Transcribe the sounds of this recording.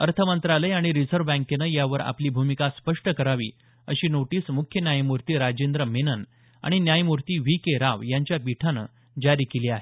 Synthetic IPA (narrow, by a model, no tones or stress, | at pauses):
əɾt̪ʰəmənt̪ɾaləjaɽ̃iɾid͡zəɾʋbɛ̃ŋkenəjaʋəɾa̰pliːbʱumikaspəʂʈəkəɾaʋḭː | əɕiːnoʈiːsmukʰjənjajmuɾt̪iːɾad͡ʑend̪ɾəmenən | a̰ɽ̃injajmuɾt̪iːʋikeɾaʋjaɲt͡ɕjapiʈʰanə̰ː | d͡ʑaɾiːkeliːaɦe